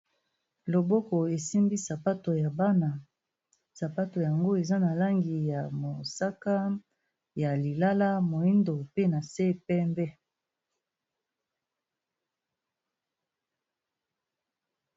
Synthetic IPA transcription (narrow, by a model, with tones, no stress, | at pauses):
lo˨bo˦ko˨e˨si˦mbi˦sa˨pa˦to˨ja˨ba˦na˨ | sa˨pa˦to˨ja˨ŋɡo˦e˨za˦na˨la˦ŋɡi˨ja˨mo˨sa˦ka˦ | ja˨li˨la˦la˦mo˨i˦ndo˨pe˦na˨se˦pɛ˦mbɛ˦